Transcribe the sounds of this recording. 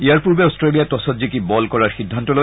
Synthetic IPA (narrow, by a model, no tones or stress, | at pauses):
iaɹpuɹbeostɹelijatɔsɔtzikibɔlkɔɹaɹxidʱːantɔlo